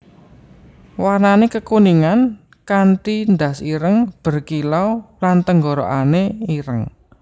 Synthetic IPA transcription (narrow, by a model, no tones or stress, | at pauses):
warnanekəkuniŋan | kanʈ̪ind̪a̤siɾəŋb̥ə̤rkilɔwlant̪əŋɡɔɾo̰ʔaneiɾəŋ